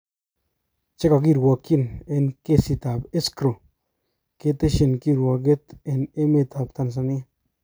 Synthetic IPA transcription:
t͡ʃe˦ka˨k̬i˦˨ɾwɔ˨ki˦˨ne˨nke˦si˨t̪a˨pe˦skɾo˨ | ke˦t̪e˦ʃi˨nki˦˨ɾwɔ˨ɡe˦t̪e˨ne˦me˦˨t̪ʰa˨pt̪a˦˨ns̬a˨ni˦

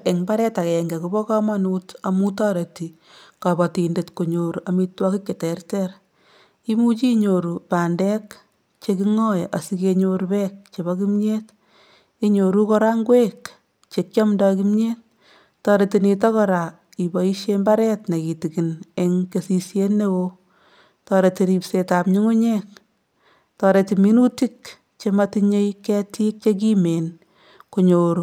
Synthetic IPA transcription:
e˨ŋmba˦ɾɛ˦ta˨kɛ˨ŋɡe˨kubɔ˦kɑ˦ma˦nu˦ta˨mu˦tɑː˦ɾe˨ti˨ | kɑ˨bɔ˨ti˨nde˨tko˨ɲo˨ɾu˨ami˦twɔ˦ki˦kːe˨tɛ˨rtɛɾ | i˦mu˦t͡ʃi˦ɲo˨ɾu˨paː˨ndɛ˦k | t͡ʃe˧kiŋɔ˦jʔa˨sike˧ɲo˧ɾupɛk̚t͡ʃe˨bɔki˦mɲet | i˦ɲo˨ɾu˦kɔɾaŋɡwek | t͡ʃe˨k̚t͡ʃɔ˦mndɔk̬i˦mɲe˦t̚ | tɔ˨ɾe˨ti˧ni˧t̬ɔ˦kɔ˦ɾa˨ | i˨bɔ˨i˦ʃje˦mba˦ɾɛ˦tne˨ki˨ti˨ki˨ne˦ŋke˨si˧sje˦nːe˦wo˧ | tɔ˨ɾe˨ti˧ɾi˨pse˨ta˨pɲi˦ŋu˦ɲek̚ | tɔ˨ɾe˨ti˨mi˦nu˦ti˦k | t͡ʃe˧matiɲe˦jkɛ˦ti˦k̚t͡ʃe˦k̬i˦me˨n | ko˨ɲoːɾu

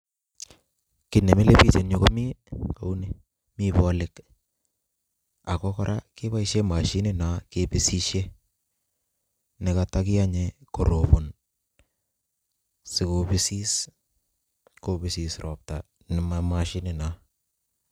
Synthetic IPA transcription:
kɪ˨ne˨mɪ˦le˦pi˦t͡ʃe˨nɲo˨ko˦mi˦ka˨u˦ni˦ | mi˦bɔ˦lɪ˨k | a˨kɔ˦kɔ˦ɾʔa̰˦kɪ˦βa˦iʃe˦ma˨ʃi˦nɪ˦na˨˦ke˨pɪ˨si˦ʃe˦ | nɪ˨ka˨ta˦kɪ˦a˦ɲe˨ko˨ɾo˨po˨n | sɪ˨ko˨bɪ˦si˦s | ko˦bɪ˨si˨srɔ˨p̚ta˨ | nɪ˨mama˨ʃi˦nɪ˨na˨

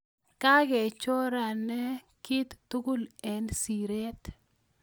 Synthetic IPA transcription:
ka˦ɡɛ˨t͡ʃo˦ɾa˨nɛ˦ | ki˦t̪ːu˦ɡu˦lɛ˨nsi˨ɾe˦t̪

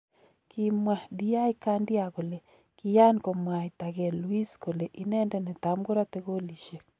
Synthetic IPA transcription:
ki˨mwa˨di˦a˦i˦ka˦ndja˨ɣo˨le˨ | kɪ˨ja˦nko˨mwa˨it̪a˨ɣe˨lwi˦sko˨le˨ʔi˨nɛ˦ndɛ˦nɛ˨t̪a˨mɡo˦ɾa˦t̪e˦ɣo˦li˨ʃe˨

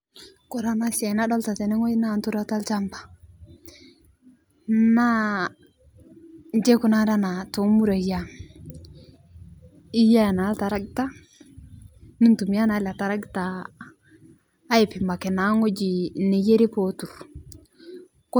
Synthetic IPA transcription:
kɔ˨ɾa˦na˦sɛ˨na˦dɔ˦lta˨tɛ˨nɛ˦ŋo˦na˦˨ntu˦ɾa˦ta˦lt͡ʃa˦mbḁ˨ | na˦ | nd͡ʒe˦ku˨na˦da˦na˨to˨mu˦ɾa˨ja˦ | i˦ja˦˨na˨˦lta˨ɾa˦ɡta˦ | ni˦ntu˨m˦ja˦na˨˦la˨ta˨ɾa˦ɡta˨˦ | i˨pi˨ma˨kɛ˨na˨˦ŋo˦d͡ʒi˨ne˨je˦ɾi˦po˨tu˨ɾ | k

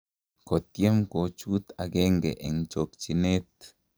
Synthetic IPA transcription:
ko˨t̪je˦mko˨t͡ʃu˦t̪a˨ɡe˦ŋɡḛ˨ʔe˨ŋt͡ʃo˨k̚t͡ʃi˧ne˦t̪

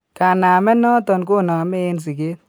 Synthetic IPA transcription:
ka˨naː˨mɛ˦nɔ˦t̪ɔ˨nko˦˨na˨me˦ɪ˦ns̬ɪ˨ke˦

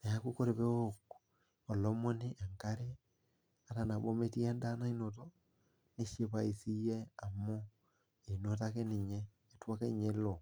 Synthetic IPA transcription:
na˨ja˦ku˦ko˦ɾe˨βe˦o˦kːo̥ | ɔ˨lɔ˦mo˦ni˦ʔa˨ŋka˦ɾe˦ | a˨ta˨na˨βo˦me˦ti˦a˦nda˦na˦i˦no˨tɔ˦ | ne˦ʃe˦βa˨i˨si˦jɛ˦a˨mo˦ | e˨no˨ta˦ke˦ni˨ɲeː˦˨ | twa˦ke˦i˦ɲe˦lo˨

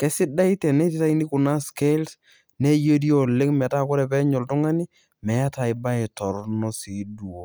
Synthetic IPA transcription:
kɛ˦sɪ˦da˦i˦tɛ˨ne˦ti˦ta˦i˦ni˦kʊ˨na˦ske˦lt | ne˦je˦ɾi˦o˨le˦ŋmɛ˨ta˦kʊ˦ɾɛ˨p̬ɛ˦ɲɔ˨ltʊ˦ŋa˦ni˦ | mɛ˨a˦ta˨ɪ˨ba˦ɛ˨tɔ˨ɾnɔ˦si˨˦du˨o˦

